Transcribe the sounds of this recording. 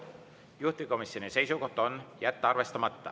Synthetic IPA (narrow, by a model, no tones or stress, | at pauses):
juht̪iko̞misːjonise̞jsuko̞ht̪ːˑonjæt̪ːɑrve̞st̪ɑmɑt̪ːɑ̰